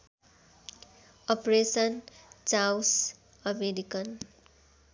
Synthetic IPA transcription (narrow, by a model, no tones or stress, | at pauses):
ʌpɾesʌnt͡saws | ʌmeɾikʌn